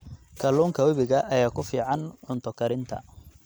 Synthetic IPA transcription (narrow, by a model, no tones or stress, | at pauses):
kʰɐluːŋkʰɐwɐβɪɣɐʔɐjaːkʰʊfiːʕɑnʕʊnt̪ʰɔkʰɐɾɪnt̪ʰɐ̰